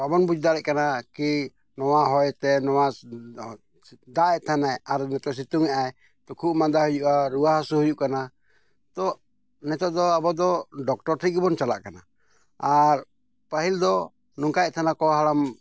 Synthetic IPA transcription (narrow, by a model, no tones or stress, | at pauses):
abɔnbud͡ʒd̪aɾɛʔ̚kanaki | nɔwaɦɔjt̪ɛnɔwa | d̪aʔɛʔt̪ʰanajaɾnɛt̪ɔʔs̬it̪uŋɛʔaj | t̪ɔkʰuʔmad̪ahujuʔaɾuaɦasuhujuʔkana | t̪ɔ | nɛt̪ɔʔd̪ɔabɔd̪ɔɖɔk̚ʈɔɾt̪ʰikbɔnt͡ʃalaʔkana | aɾ | paɦild̪ɔ | nuŋkajɛt̪ʰanakɔɦalam